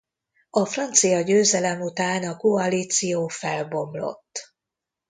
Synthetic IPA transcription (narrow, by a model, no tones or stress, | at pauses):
ɒfrɒnt̪sijɒɟøːzɛlɛmut̪aːnɒkoɒliːt̪sijoːfɛlbo̞mlo̞̰t̪ː